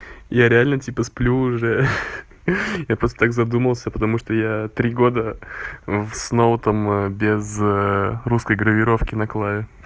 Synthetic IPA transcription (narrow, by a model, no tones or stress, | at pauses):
jaɾʲɪalʲnətʲipəsplʲuːʐɛ | japɾost̪ət̪akzɐd̪uməlˠsʲəpət̪ɐmuʂt̪ojat̪ɾʲiɡo̞d̪ə | fsnoʊt̪ambʲɪz | ruskəjɡɾəvʲɪɾo̞fkʲɪnɐklˠavʲʊ